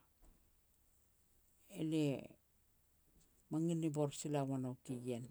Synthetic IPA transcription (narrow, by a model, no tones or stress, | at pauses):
ele | maŋiniboɾsilawanowkiɡen